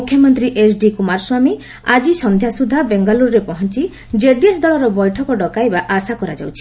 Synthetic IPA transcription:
ukʰjɔmɔnt̪ɾiʔesɖikumaɾswami | ad͡ʒisɔnd̪ʱjasud̪ʱabeŋɡaluɾɾepɔɦɔnt͡ʃi | d͡ʒeɖiesd̪ɔɭɔɾɔbɔjʈʰɔkɔɖɔkajbaʔasakɔɾad͡ʒawt͡ʃʰi

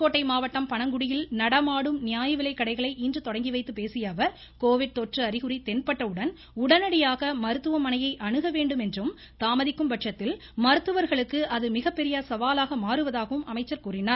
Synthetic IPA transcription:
kːoːʈːɐɪmaːʋɐʈːɐmpɐɳɐŋɡʊɽɪjɪlnɐɽɐmaːɽɯmnɪjaːjɐʋɪlɐɪkːɐɽɐɪɣɐɭɐɪʔindrɯt̪ɔɽɐŋɡiʋɐɪt̪ːɯpeːsɪjɐːʋɐɾ | koːʋɪɖ̚t̪ɔʈrɯɐɾɪɣɯɾit̪ɛnpɐʈrɐɯɽɐn | ʊɽɐnɐɽɪjaːɣɐmɐɾɯt̪ːɯʋɐmːɐnɐjɐɪʔɐɳɯɣɐʋeːɳɖɯmɛndrɯm | t̪aːmɐðɪkːɯmbɐʈʂɐt̪ːɪl | mɐɾɯt̪ːɯʋɐɾɣɐɭɯkːɯʔɐðɯmɪɣɐpːɛɾɪjasɐʋaːlaːɣɐmaːɾɯʋɐðaːɣɐʋɯmʔɐ̰mɐɪt͡ʃːɐɾkuːrɪnaːɾ

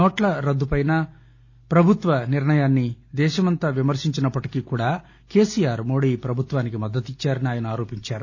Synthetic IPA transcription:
nɔːʈlɐɾɐd̪ːupɐjnɐ | pɾɐbʱut̪ʋɐniɾɳɐjaːnːid̪ɛːʃɐmɐnt̪aːʋimɐɾʂiɲt͡ʃinɐpːɐʈi̥kiːkuːɽaː | ke̞ːsijaːɾmo̞ːɽiːpɾɐbʱut̪ʋaːnikimɐd̪ːɐt̪it͡ʃːaːɾɐniaːjɐnuaːɾo̞ːpiɲt͡ʃaːɾu

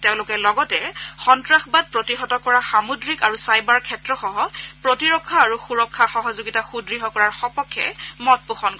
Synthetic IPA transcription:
teʊ̃lʊkɛlɔɡɔtɛxɔntɹaxbad̚pɹotiɦɔtɔkɔɹaxamudɹikaɹusajbaɹkʰɛtɹɔxɔɦɔpɹotiɹɔkʰːaːɹuxuɹɔkʰːaxɔɦɔzʊɡitaxudɹiɦɔkɔɹaɹxɔpɔkʰːɛ̰mɔt̚puxɔnkɔ

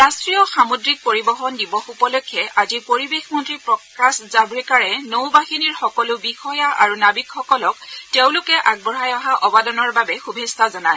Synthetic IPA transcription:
ɹastɹijɔxamudɹik̚poɹibɔxɔndibɔxupɔlɔkʰːɛʔazipoɹibexmɔntɹipɹɔkaszabɹɛkaɹɛnowbaxiniɹxɔkɔlʊbixɔjaʔa̰ɹunabikxɔkɔlɔkteʊ̃lʊkɛʔaɡ̚bɔɹajɔɦaʔɔbadɔnɔɹbabɛxubʱestazɔnaj

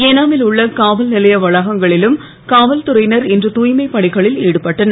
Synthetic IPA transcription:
eːnaːmɪlʊɭːɐkaːʋɐlnɪlɐjɐʋɐɻɐɣɐŋɡɐɭɪlɯm | kaːʋɐlt̪ʊɾɐɪnɐɾɛndrɯt̪uːjmɐɪpːɐɳɪɣɐɭɪliːɽɯpɐʈːɐnɐ

